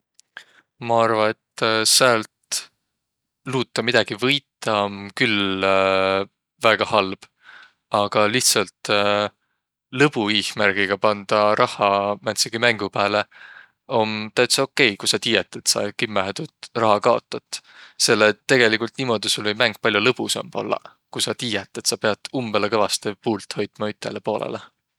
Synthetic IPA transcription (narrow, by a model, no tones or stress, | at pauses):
mɑɑrvɑe̞t̪ːsæːlt̪ | luːt̪ːˑɑmid̪̥ɑɡ̥ivɤjt̪ːˑɑmkyl | væɡ̥ɑhɑlb̥ | ɑɡ̥ɑliht̪sɑlt̪ | lɤb̥uiːhmærɡ̥iɡ̥ɑpɑnd̪̥ɑɾʔɑhˑɑmænt̪seɡ̥imæŋɡ̥upæːle̞ | o̞nt̪æt̪seo̞kːˑe̞jkusɑt̪iːjet̪ːˑe̞t̪sɑ̰kimːæɦet̪ut̪rɑɦɑkɑo̞̰t̪ːˑɑt̪ːˑse̞lːet̪ːe̞ɡ̥e̞likult̪niːmo̞d̪̥isulvəjmæŋɡ̥̚pɑlʲjulɤb̥usɑ̰mpo̰lːɑ̰ | kusɑt̪iːjɛt̪ːˑet̪sɑpe̞ɑd̪̥ˑumb̥elekɤvɑst̪epuːlt̪ho̞jt̪mɑyt̪ːˑḛlepo̞ːlḛle